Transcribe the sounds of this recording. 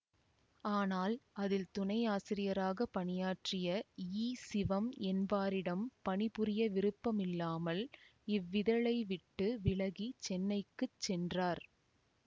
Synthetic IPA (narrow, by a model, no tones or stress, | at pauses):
aːnaːlɐðɪlt̪ʊnɐɪaːsɪɾɪjɐɾaːɣɐpɐɳɪjaːʈrɪjɐiːsɪʋɐmɛnbaːɾɪɽɐmpɐɳɪpɯɾɪjɐʋɪɾɯpːɐmɪlːaːmɐlɪʋːɪðɐɭɐɪʋɪʈːɯʋɪɭɐɣit͡ʃɛnːɐɪkːɯt͡ʃːɛndraːɾ